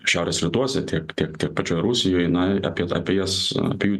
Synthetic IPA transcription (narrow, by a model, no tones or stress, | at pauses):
ʃʲæˑʊɾʲeːsɾʲɪt̪uɔsʲɛt̪ʲiɛkt̪ʲiɛkt̪ʲiɛk̚pɐt͡ʃʲoːjɾusʲɪjoːjnɐɑ̰pʲiɛɑ̰pʲiɛjɛsɐ̰pʲiɛjuː